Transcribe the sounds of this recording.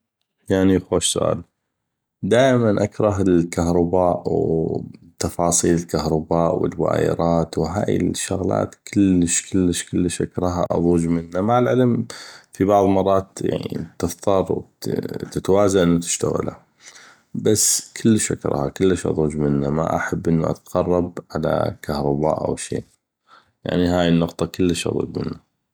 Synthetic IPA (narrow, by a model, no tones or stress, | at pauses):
jaʕnixoːʃsʊʔa̰ːl | d̪aːʔmanʔakɾˤɑɦɪlkahɾˤɑbaːʔw | t̪ːɑfɑːsˤiːlɪlkahɾˤɑbaːʔwə̰lwa̰ːjɪ̰ɾˤɑːt̪wɦaːjɪ̰lʃːʊɣla̰ːt̪kʰɪləʃkəlːəʃkəlːəʃʔakɾˤɑɦa̰ʔɑ̰ðˤuːd͡ʒmɪnːamaʕɪlʕɪlmfibɑʕðˤmɑrˤːɑːt̪ja̰ʕnḭit̪ɨft̪ʰˤɑɾˤwt̪ɪt̪awaːzaʔənːut̪ɪ̥ʃt̪a̰ɣa̰la̰ | basːkʰɪlːəʃʔakɾˤʔɑ̰ːhakəlːəʃʔɑ̰ðˤuːd͡ʒmɪnːama̰ʔa̰ħabːʔɪnːuʔa̰t̪qɑrˤːɑb̚ʕala̰kahɾˤɑba̰ːʔa̰wʃḛː | ja̰ʕniɦaːjənːʊqt̪ˤɑkəlːəʃʔɑ̰ðˤṵːd͡ʒmɪ̰nːa